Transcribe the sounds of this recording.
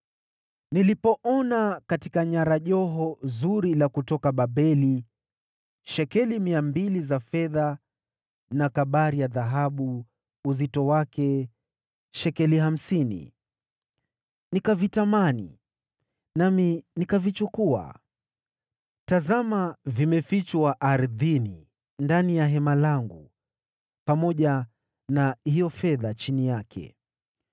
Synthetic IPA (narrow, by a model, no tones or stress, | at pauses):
nilipɔʔɔnakatikaɲaɾaʄɔɦɔzuɾilakutɔkaɓaɓɛli | ʃɛkɛlimiambilizafɛða | nakaɓaɾijaðaɦaɓu | uzitɔwakɛ | ʃɛkɛliham̩sinḭ | nikavitamanḭ | naminikavit͡ʃukua̰ | tazamavimɛfit͡ʃwaʔaɾðini | ndanijaɦɛmalaŋɡu | pamɔʄa | nahijɔfɛðat͡ʃinijakʰɛ̰